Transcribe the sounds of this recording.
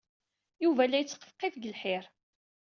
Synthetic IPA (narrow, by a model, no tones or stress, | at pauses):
juvælːæjət͡sːə̥qːə̥fqːɪfɡəlħɪɾ